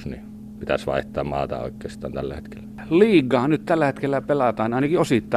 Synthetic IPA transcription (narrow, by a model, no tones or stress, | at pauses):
snḭ | pit̪æsʋɑ̰ˑeht̪ˑɑːmmɑ̰ːt̪ɑ̰o̰ˑekːˑeːst̪ˑɑːnt̪ælːæhet̪ke̥lːæ | liːɡˑɑːnyt̪t̪ælːæhet̪kelːæpelɑt̪ɑːnɑˑinɑkiosit̪ːɑ